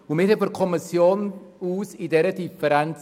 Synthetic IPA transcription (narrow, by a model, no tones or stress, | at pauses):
umɪtəfərkʰɔmɪsjoːnuːsidɛɾədifəɾɛn